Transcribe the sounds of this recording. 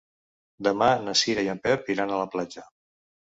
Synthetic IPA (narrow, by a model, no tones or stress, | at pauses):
d̪əmanəsiɾəjəmpɛpiɾanələplad͡ʒə